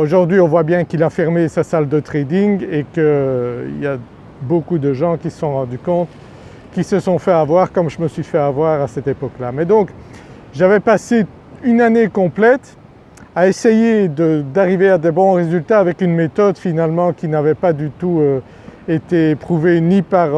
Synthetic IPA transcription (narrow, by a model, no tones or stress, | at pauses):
oʒuʁd̪ɥiɔ̃vwabjɛ̃kilafɛʁmesasald̪ət̪χed̪iŋekəḭlja | bokud̪əʒɑ̃kʲisə̥sɔ̃ʁɑ̃d̪ykɔ̃t̪ | kʲisəsɔ̃fɛavwaʁkɔmʒəməsɥifɛavwaʁasɛt̪epɔklamɛd̪ɔ̃k | ʒavɛpase | ynanekɔ̃plɛt̪ | aesejed̪əd̪aʁivead̪ɛbɔ̃ʁezylt̪aːvɛkynmet̪ɔd̪finalmɑ̃kʲinavɛpad̪yt̪uø | et̪epχuvenipaʁ